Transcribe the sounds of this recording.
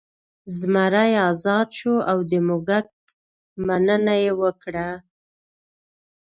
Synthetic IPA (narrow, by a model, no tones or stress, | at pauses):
zmaɾajɑzɑd̪ʃoawd̪əmʊɡak̚ | manənajewəkɽa